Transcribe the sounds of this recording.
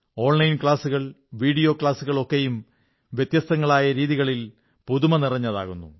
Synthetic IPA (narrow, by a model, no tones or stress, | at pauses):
o̞ːɳlɐjnkɭaːsuɣɐɭ | ʋiːɽijo̞ːkɭaːsuɣɐɭo̞kːe̞jum | ʋjet̪jɐst̪ɐŋːɐɭaːjɐɾiːðiɣɐɭil | puðumɐnirɐɲːɐða̰ːɣunːṵ